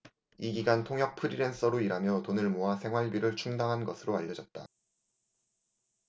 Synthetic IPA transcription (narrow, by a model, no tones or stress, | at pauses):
iɡiɡantʰoŋjʌk̚pʰɯɾiɾe̞ns͈ʌɾoiɾamjʌtonɯɭmoasʰe̞ŋɦwaɭbiɾɯɭt͡ɕʰuŋdaŋɦanɡʌsʰɯɾoaʎːʌd͡ʑʌt̚t͈a